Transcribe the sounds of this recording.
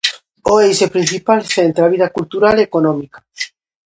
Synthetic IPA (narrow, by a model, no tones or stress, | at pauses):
oejsepɾin̟θipalθent̪ɾaβ̞iðakult̪uɾalekonõmikḁ